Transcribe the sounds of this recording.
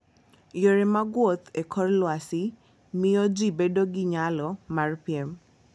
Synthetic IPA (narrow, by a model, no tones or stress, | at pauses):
joɾemaɡwot̪ekʰɔɾlwasɪ | mɪjɔd͡ʒibedoɡiɲalɔmarpiɛm